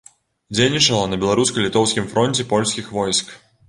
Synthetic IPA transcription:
d͡zʲejʲnʲit͡ʂɐlˠɐnɐbʲɛlˠaɾuskɐlʲit̪ɔwskʲimfɾɔnʲt͡sʲɛpɔlʲsʲkʲixvɔjsk

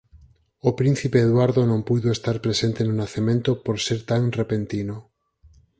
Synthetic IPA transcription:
opɾĩn̟θipeːðwaɾðonõmpuðoest̪aɾpɾesent̪enunaθemẽnt̪opoɾseɾt̪aŋrepent̪ino

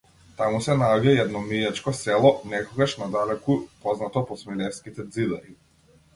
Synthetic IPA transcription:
t̪amusɛnaɔɟaɛd̪nɔmijat͡ʃkɔsɛlˠɔnɛkɔɡaʃnad̪alɛkupɔznat̪ɔpɔsmilɛskit̪ɛd̪zid̪aɾi

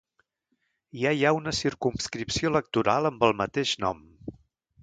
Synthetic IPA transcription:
jajaunəsiɾkumskɾipsiolək̚t̪uɾalˠəmbəlˠmət̪eʃnɔm

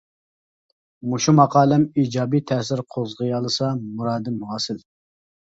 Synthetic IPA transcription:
muʃumɑqʰɑːlˠɛmiːd͡ʒɑːbit̪ʰɛsɪɾqʰozʁəjɑlˠɨsɑmuɾɑːd̪ɨmuɑːsɪl

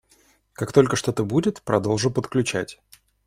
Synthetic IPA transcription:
kakt̪o̞lʲkəʂt̪o̞t̪əbudʲɪt̪pɾʔɐd̪o̞lˠʐʊpət̪klʲʉt͡ɕætʲ

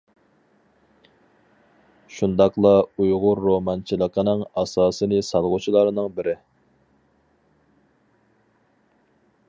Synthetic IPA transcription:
ʃund̪ɑqlˠɑujʁʊɾːomɑnt͡ʃʰilˠəqʰənɨŋɑsɑːsɨnɨsɑlˠʁʊt͡ʃʰilˠɑɾnɨŋbɪɾɪ

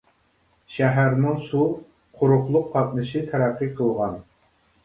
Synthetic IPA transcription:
ʃæɦæɾnɪŋsu | qʰʊɾʊχlˠʊqːʰɑt̪̚nɨʃɨt̪ʰæɾæqːɨqʰəlˠʁɑn

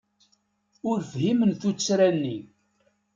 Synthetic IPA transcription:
ʊɾfhimənθut͡sːɾænːi

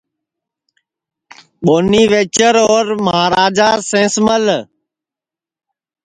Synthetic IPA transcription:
ɓoːniːʋeːt͡ʃəɾoːɾməɦaːɾaːd͡ʒaːsẽːsməl

